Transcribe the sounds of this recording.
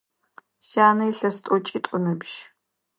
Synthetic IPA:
saːnɐiɬɐstʼɔt͡ʃʼitʷʼʊnɐbʒ

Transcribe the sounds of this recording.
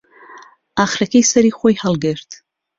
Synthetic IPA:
aχrakʲʰejsaɾiχʷajhalɡartʰʼ

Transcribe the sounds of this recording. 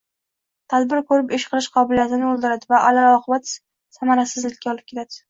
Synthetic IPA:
t̪ʰad̪bɪɾkɵɾɪpɪʃqʰɨlˠɪʃqʰɒbɪlijat̪ʰɪnɪolˠd̪ɪɾad̪ɪvaʔalaɾɒqʰɨbat̪ | samaɾasɪzlɪkʲːaɒlˠɪp̚kʲet̪ʰad̪̥ɪ

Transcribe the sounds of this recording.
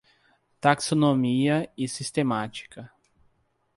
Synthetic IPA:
t̪aksonomiɐɪsist̪emat͡ʃi̥kɐ

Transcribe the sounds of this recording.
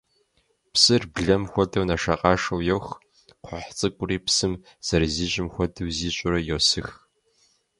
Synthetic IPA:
psɨrbɮɐmxʷɔdɐwnɐʂɐqʼɑːʂɐwjɛwx | qʷħt͡sʼɨkʷʼʊɾiːpsɨm | z̥ɐɾziːɕʼɪmxʷɔdɐwziːɕʼʊɾɐjowsɨx

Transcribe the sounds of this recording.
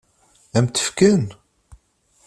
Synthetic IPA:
æmt̪ə̥fkən

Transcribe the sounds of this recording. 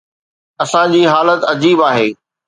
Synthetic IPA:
ɐsãd͡ʑiːɦaːlət̪ɐd͡ʑiːbaːɦeː

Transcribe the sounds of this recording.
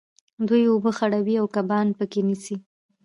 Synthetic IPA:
d̪ujobəxaɽawiawkabɑnpəkenisi

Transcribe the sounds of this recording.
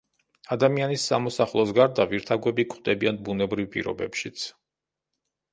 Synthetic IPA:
ad̪amianisːamɔsaχlˠɔsɡaɾd̪aviɾt̪ʰaɡwɛbikʼʰχd̪ɛbianbunɛbɾivpʼḭɾɔ̰bɛ̰pʃit̪sʰ

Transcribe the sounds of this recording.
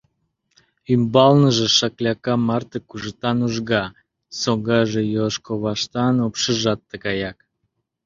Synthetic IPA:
ymbɑlnəʒĕʃɑklʲɑkɑmɑrt̪əkuʒət̪ɑnuʒɣɑ | soɣɑʒejoʃkoβɑʃt̪ɑnopʃəʒɑt̪ːəkɑjɑk

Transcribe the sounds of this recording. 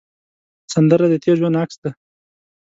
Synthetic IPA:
sand̪əɾad̪ət̪ʰeɾʒwanaksd̪a

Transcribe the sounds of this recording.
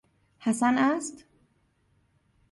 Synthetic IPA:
hæsænæst̪

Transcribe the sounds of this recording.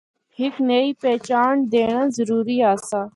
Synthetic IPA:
hɪkneiːpɛːt͡ʃaːɳd̪eːɳãːzəɾuːɾiːaːsaː

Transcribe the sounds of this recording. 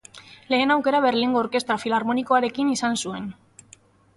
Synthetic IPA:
le̞ːnawke̞ɾaβe̞ɾliŋɡo̞ːɾke̞st̪ɾafilaɾmo̞niko̞aɾe̞kinisansue̞n

